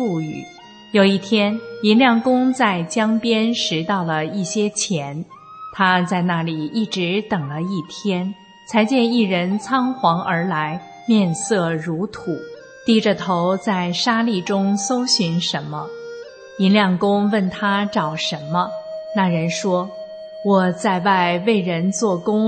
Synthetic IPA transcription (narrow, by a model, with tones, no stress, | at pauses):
fu˥˩y̰˨˩˦ | jo˨˩ʊi˥˩t̪ʰjɛ˥ni˧˥nljɑ˥˩ŋkʊ˥ŋt͡sa˥˩ɪt͡ɕjɑ˥ŋpjɛ˥nʂɻ̩˧˥t̪ɑ˥˩ʊlə˩i˥˩ɕjɛ˥t͡ɕʰjɛ˧˥n | t̪ʰa˥t͡sa˥˧ɪna˥˩li˨˩i˥˩ʈ͡ʂɻ̩˧˥t̪ɤ˨˩ŋlə˦i˥˩t̪ʰjɛ˥n | t͡sʰa˧˥ɪt͡ɕjɛ˥˧ni˥˩ɻə˧˥nt͡sʰɑ˥ŋxwɑ˧˥ŋʔə˞˧˥la˧˥ɪ | mjɛ˥˧nsɤ˥˩ɻu˧˥t̪ʰu˨˩˦ | t̪i˥ʈ͡ʂə˧t̪ʰo˧˥ʊt͡sa˥˩ɪʂa˥li˥˩ʈ͡ʂʊ˥ŋso˥ʊɕy˧˥nʂə˧˥nmə˧ | i˧˥nljɑ˥˩ŋkʊ˥ŋwə˥˩nt̪ʰa˥ʈ͡ʂɑ˨˩ʊʂə˧˥nmə˧na˥˩ɻə˧˥nʂwɔ˥ | wɔ˨˩t͡sa˥˧ɪwa˥˧ɪwe˥˩ɪɻə˧˥nt͡swɔ˥˩kʊ˥ŋ